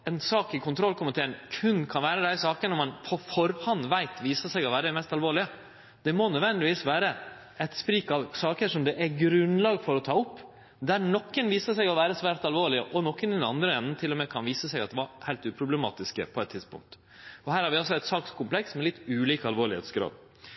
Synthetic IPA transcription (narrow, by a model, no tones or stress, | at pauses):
ɛnsɑːkɪkʰʊnt̪ʰɾɔlkʰʊmət̪ʰeːɾənkʰʉnːkʰɑnʋæːɾəd̪æɪsɑːkənəmɑnpʰɔfɔɾhɑnːʋæɪt̪ʋiːsəsɛɪɡɔʋæːɾəɛmɛst̪ɑlʋoːɭɪə | d̪̥ɛmɔnœd̪ʋɛnd̪ɪʋiːsʋæːɾə | ɛt̪spɾiːkɑʋsɑːkəʂɔmd̪ɛʔæɾɡɾʉnlɑːɡfɔɾɔt̪ʰɑːʊpː | d̪æɾnɔkːənʋiːsəsɛɪɡɔʋæːɾəsʋæːɾt̪ɑlʋoːɭɪəʔɔnɔkːənɛd̪ɛnɑ̰nd̪ɾəɛnːən̩t̪ʰɪlːɔmɛkʰɑnʋiːsəsɛɪɡɑt̪d̪ɛʋɑɾhæɪlt̪ʉːpʰɾʊblɛmɑ̰ːt̪ɪskə̰pʰɔɛt̪ʰːɪd̪spʊ̰ŋk̚t̪ | ɔhæːɾhɑɾʋɪɑls̬ɔɛɪt̪sɑːkskʰʊmplɛksmɛlɪt̪ːʉːliːkəɑlʋoːɾɭɪhḛːt̪sɡɾɑ̰ːd̪